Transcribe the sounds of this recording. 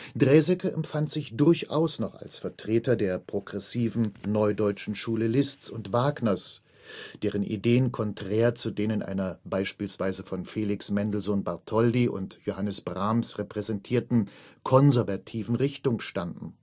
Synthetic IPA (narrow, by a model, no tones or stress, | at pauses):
d̥ʁɛːzɛkəʔɛmfantz̥ɪçd̥ʊɐça̰ʊsnɔχa̰lsfɛɐtʁ̥eːtɐdeːɐpʁ̥oɡʁɛsiːvn̩nɔʏdɔʏt͡ʃn̩ʃuːləlɪst͡sʊntv̥aːɡnɐs | d̥eːʁ̞ənʔḭdeːənkʰɔntʁ̥ɛːɐt͡sudeːnənʔa̰ɪnɐbaɪʃpiːlsv̥aɪzəfɔnfeːlɪksmɛndl̩zoːnbaɐtʰɔldiʔʊ̰ntjohanəsb̥ʁamsʁepʁ̥ɛzɛntʰiːɐtn̩kʰɔnzɛɐvatʰiːvn̩ʁɪçtʊŋʃtandn̩